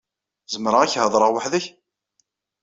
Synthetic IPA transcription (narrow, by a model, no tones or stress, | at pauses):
zəmɾəʁæçhəðˤɾˤəʁwaħðæç